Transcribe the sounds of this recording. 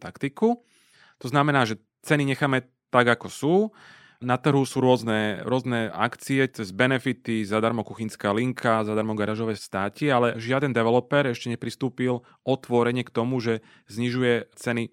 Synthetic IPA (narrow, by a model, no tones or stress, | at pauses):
t̪akt̪iku | t̪ɔznamɛnaːʒɛ | t͡sɛniɲɛxaːmɛ | t̪aɡakɔsuː | nat̪r̩ɦusuːɾʊɔznɛɾʊɔznɛa̰kt͡siɛt͡sɛzbɛnɛfit̪izad̪aɾmɔkuxinskaːliŋkʰazad̪aɾmɔɡaɾaːʒɔʋɛːst̪aːcialɛʒɪad̪ɛnd̪ɛʋɛlɔpɛɾɛʃcɛɲɛpɾist̪uːpil | ʔɔt̪ʋɔɾɛɲɪɛkt̪ɔmuʒɛ | zɲiʒujɛt͡sɛni